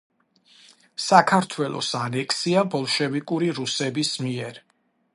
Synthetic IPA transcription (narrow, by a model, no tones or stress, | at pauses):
sakʰaɾt̪ʰwɛlˠɔ̰sanɛkʰsiabɔlˠʃɛvikʼuɾiɾusɛbismiɛɾ